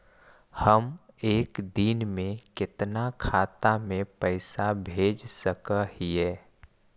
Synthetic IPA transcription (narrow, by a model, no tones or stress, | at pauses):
həmeːkd̪inmẽkɪt̪nakʰaːt̪amẽpəɪsabʱeːd͡ʒsəkəhiɛː